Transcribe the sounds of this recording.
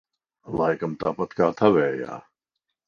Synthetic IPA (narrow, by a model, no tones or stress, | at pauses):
laːjkɐmt̪aːpɐt̪kaːt̪ʰɐʋɛːja̰ː